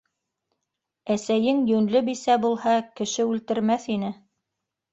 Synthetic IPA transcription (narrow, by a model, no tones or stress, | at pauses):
æsæjɘŋjɵnlɘbisæbulˠhɑkɘ̆ʃɘʉlt̪ɘ̆ɾmæθin̪ɘ